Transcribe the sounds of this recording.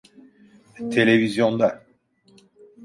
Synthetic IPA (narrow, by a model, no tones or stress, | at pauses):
t̪ʰelevizjɔ̃d̪a